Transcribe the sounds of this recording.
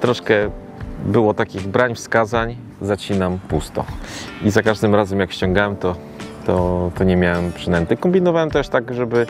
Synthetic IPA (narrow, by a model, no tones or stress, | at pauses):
t̪ɾɔʂkɛ | bɘwɔt̪akʲiɣbɾaɲfskazaɲ | zat͡ɕinampust̪ɔ̰izakaʐd̪ɘmɾazɛmjakɕt͡ɕɔ̃ŋɡawɛmt̪ɔ | t̪ɔt̪ɔɲɛmʲjawɛmpʂɘnɛnt̪ɛkɔmbʲinɔvawɛmt̪ɛʂt̪aɡʐɛbɘ